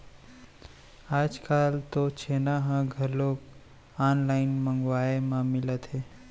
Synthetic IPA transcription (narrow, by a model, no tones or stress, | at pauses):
aːd͡ʒkalt̪ot͡ʃʰenaɦãɡʱəɾlok | anlaɪnməŋɡʋaemãmɪlət̪ʰɦe